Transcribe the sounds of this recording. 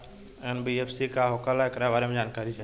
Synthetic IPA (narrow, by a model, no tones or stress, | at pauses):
enbiefsikaɦoːkalaekɾaʋaːɾemẽd͡ʒaːnkaːɾit͡ʃʰeː